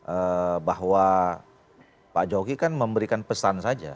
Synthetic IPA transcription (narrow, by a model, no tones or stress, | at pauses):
ʔəbahwa | pad͡ʒoɡikanməmbəɾikanpəsansad͡ʒa̰